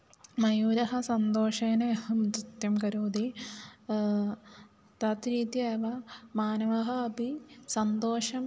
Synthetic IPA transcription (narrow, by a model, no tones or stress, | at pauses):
mɐjuːɾɐɦɐ̆sɐnd̪oːʂeːneɐhɐmut̪it̪jɐmkɐɾoːd̪i | t̪ɐt̪ɾiːt̪jeːʋɐmaːnɐʋɐɦɐɐbʱisɐnd̪oːʂɐm